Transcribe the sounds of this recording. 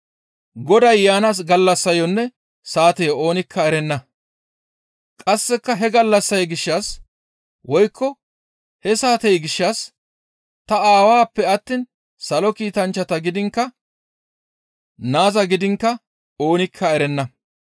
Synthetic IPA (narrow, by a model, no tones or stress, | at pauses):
ɡɔd̪ɐjːaːnɐs̬ɡɐlːɐsːɐjɔnːɛ | saːt̪ɛjo̞ːnɪkʰːɐɛɾɛnːɐ | kʼɐsːɛkːɐɦɛɡɐlːɐsːɐjɡɪʃːɐs | wɔjkʰːɔ | hɛsaːt̪ɛjɡɪʃːɐs | t̪ɐaːwaːpːɛɐt̪ːiːn | sɐlɔkiːt̪ɐnt͡ʃːɐt̪ɐɡɪd̪ɪŋkːɐ | naːzɐɡɪd̪ɪŋkːɐ | o̞ːnɪkʰːɐɛɾɛnːɐ